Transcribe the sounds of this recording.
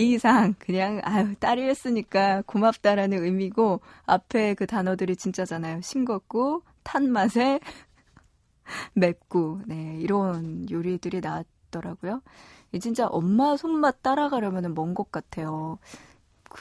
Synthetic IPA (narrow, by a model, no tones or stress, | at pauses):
isʰaŋkɯɲaŋat͈aɾiɦes͈ɯɲik͈akomap̚t͈aɾanɯnɯmiɡoapʰe̞kɯtanʌdɯɾit͡ɕint͡ɕ͈ad͡ʑanajoɕʰiŋɡʌk̚k͈o | tʰanmasʰe̞ | me̞p̚k͈one̞iɾʌnjoɾidɯɾinawat̚t͈ʌɾaɡojoit͡ɕint͡ɕ͈aʔʌmːasʰonmat͈aɾaɡaɾjʌmjʌnɯnmwʌnɡʌk̚k͈atʰe̞jo | k